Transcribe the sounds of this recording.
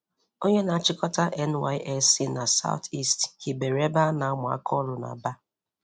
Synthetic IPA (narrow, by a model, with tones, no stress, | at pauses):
o˦ɲe˦na˨a˦˨t͡ʃɪ˦kɔ˦ta˦ʔɛ˦nwa˦ɪ˦ʔɛ˦si˦na˨sa̰˦ʊ̰˦ti˦sthi˨be˨ɾe˦ba˦na˨˦mʊ˨a̰˦kʰɔ˦lʊ˨na̰˨ba˦